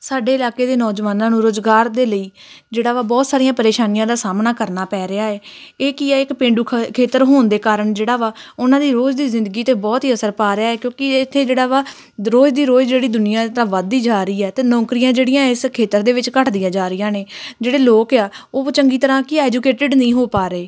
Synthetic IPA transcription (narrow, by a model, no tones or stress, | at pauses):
saːɖeːɪlaːkeːd̪eːnɔːd͡ʒʋaːnãːnũːɾoːzɡaːɾd̪eːləiː | d͡ʒeːɽaːʋaːbɔːt̪saːɾɪjãːpəɾeːʃaːnijãːd̪aːsaːmnaːkəɾnaːpɛːɾɪaːɛːeːkiaːɪkpẽːɳɖuːkʰkʰeːt̪əɾɦoːnd̪eːkaːɾəɳd͡ʒeːɽaːʋaːʊnãːd̪iːɾoːd͡ʒd̪iːzɪ̃nd̪ɡiːt̪eːbɔːt̪ɦiːəsəɾpaːɾɪaːɛːkjõːkɪɪt̪ʰːeːd͡ʒeːɽaːʋaː | ɾoːd͡ʒd̪iːɾoːd͡ʒd͡ʒeːɽiːd̪ʊnɪjãːt̪ãːʋaːd̪iːd͡ʒaːɾəiːɛːt̪eːnɔ̃ːkɾijãːd͡ʒeːɽɪjãːɪskʰeːt̪əɾd̪eːʋɪt͡ʃkəʈʰd̪ɪjãːd͡ʒaːɾɪjãːneːd͡ʒeːɽeːloːkaːoːt͡ʃəŋɡiːt̪əɾãːkɪɛːd͡ʒuːkeːʈɪɖnĩːɦoːpaːɾeː